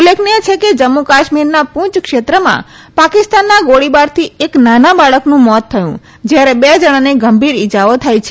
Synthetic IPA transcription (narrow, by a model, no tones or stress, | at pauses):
ulːekʰniet͡ʃʰeked͡ʒəmːukaʃmiɾnapũt͡ʃkʃet̪ɾəmã̰ | pakɪst̪anːaɡoɽibaɾt̪ʰieknanabaɭəknũmɔt̪ʰːəjṵ̃ | d͡ʒjaɾebed͡ʒəɽ̃aneɡəmbʱiɾid͡ʒaʋot̪ʰajt͡ʃʰe